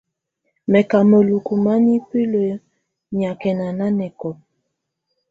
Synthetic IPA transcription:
mɛ˨ka˨mə˨lu˨ku˨ma˦ni˦pi˦lo˨˦ | ɲa˨kɛ˨na˨na˦nɛ˨kɔ˨

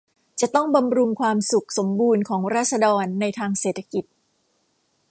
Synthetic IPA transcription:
t͡ɕa˨˩t̪ɔ˥˩ŋba˧mɾu˧ŋkʰwaː˧msu˨˩k̚so˩˦mbuː˧nkʰɔː˩˦ŋɾaː˥˩t̪̚sa˧dɔː˧nːa˧jt̪ʰaː˧ŋseː˨˩t̪ʰːa˧ki˨˩t̪̚

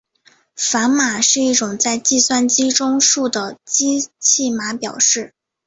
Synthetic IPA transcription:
fa˧˥nma˨˩ʂɻ̩˥˧i˥˩ʈ͡ʂʊ˨˩ŋt͡sa˥˧ɪt͡ɕi˥˧swa˥˧nt͡ɕi˥ʈ͡ʂʊ˥ŋʂu˥˩d̪ə˩t͡ɕi˥t͡ɕʰi˥˩ma˧˥pjɑ˨˩ʊʂɻ̩˥˩

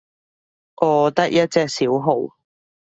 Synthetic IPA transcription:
ʔɔː˨˧t̪ɐ˥k̚jɐ˥t̚t͡sɛː˧k̚siː˨˥wɦo˨˩w

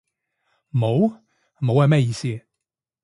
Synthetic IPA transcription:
mo˨˥w | mo˨˥whmɛ˥˩jiː˧siː˥˧

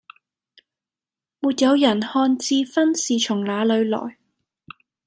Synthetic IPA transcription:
muː˨t̚jɐ˨˧wjɐ˨˩nhɔː˧nt͡siː˧fɐ˥nsiː˨t͡ʃʰʊ˨˩ŋlaː˨˧lɵ˨˧ɥlɔ̰ː˨˩j

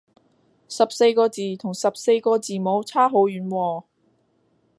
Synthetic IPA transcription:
sɐ˨p̚se˧jkɔː˧t͡siː˨t̪ʰʊ˨˩ŋsɐ˨p̚se˧jkɔː˧t͡siː˨˩mo˨˥wt͡sʰaː˥ɦo˨˥wjyː˨˥nwɔː˧

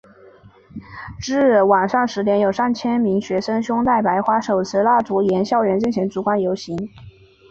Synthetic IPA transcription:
ʈ͡ʂɻ̩˥˩wa˨˩nʂɑ˥˩ŋʂɻ̩˧˥t̪jɛ˧˥njo˨˩ʊsa˥˩nt͡ɕʰjɛ˥nmi˧˥ŋɕɥɛ˧˥ʂɤə˥ŋɕjʊ˥ŋt̪a˥˩ɪpa˧˥ɪxwa˥ʂo˨˩ʊt͡sʰɹ̩˧˥la˥˩t͡su˧˥jɛ˧˥nɕjɑ˥˩ʊɻə˧˥nt͡ɕnɕʰjɛ˧˥nt͡su˧˥kwa˥njo˧˥ʊɕi˧˥ŋ

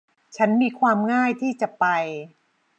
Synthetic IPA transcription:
t͡ɕʰa˦˥nmiː˧kʰwaː˧mŋaː˥˩jt̪ʰiː˥˩t͡ɕa˨˩pa˧j

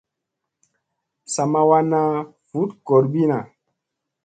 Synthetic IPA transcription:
sa˨ma˧wa˦na˦ | fu˨˦tkɔ˨ɾbi˦na˨

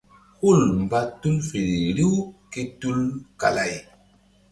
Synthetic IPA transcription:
hu˦˨lm̩˨ba˦tːu˦lfe˨ɾe˨ɾi˦wke˦tu˦lka̰˨la˨j

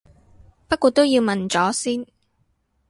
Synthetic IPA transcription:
pɐ˥kuː˨˧t̚t̪o˥wji˧wmɐ˨nt͡sɔː˨˥siː˥n

